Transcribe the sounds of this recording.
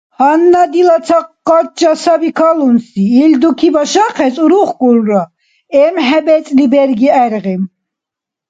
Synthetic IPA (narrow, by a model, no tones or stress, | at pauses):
hanːad̪ilat͡s̪ʰaqː | at͡ʃːasabikʰalunsiːld̪ukʰibaʃaqʰɛsʼuɾuχkʼulɾa | ɛmɦɛbɛt͡sʼlibɛɾɡiɛɾʁim